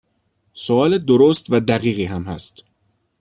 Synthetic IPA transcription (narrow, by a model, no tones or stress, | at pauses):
soɒːled̪oɾost̪væd̪æɣiːɣiːɦæmhæst̪